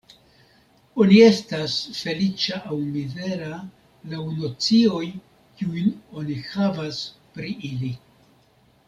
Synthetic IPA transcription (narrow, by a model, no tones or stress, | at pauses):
o̞nie̞stasfe̞lit͡ʃaʔawmize̞ɾa | lawno̞t͡sio̞j | kiujno̞nihavaspɾiʔili